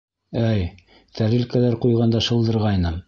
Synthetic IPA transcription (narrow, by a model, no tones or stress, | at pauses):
æj | t̪ʰæɾɘlkælæɾqujʁɑnd̪ɑʃɤ̆lˠd̪ɤ̆ɾʁɑjnɤm